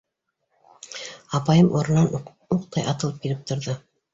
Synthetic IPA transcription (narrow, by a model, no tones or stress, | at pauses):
ɑpɑjɤmʔoɾɤ̆nːɑn | uq̚t̪ɑjʔɑt̪ɤ̆lˠɤp̚kilɘp̚t̪ŏɾðɤ